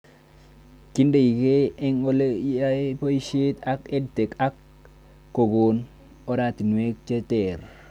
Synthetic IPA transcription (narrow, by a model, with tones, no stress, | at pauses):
ki˦nde˨ji˨ke˦e˦ŋo˦le˦ja˦po˦i˦ʃe˦ta˦ke˦dte˨ka˦kː | o˨ɡo˨n | o˦ɾa˨ti˨nu˨we˦k̚t͡ʃe˦te˨ɾ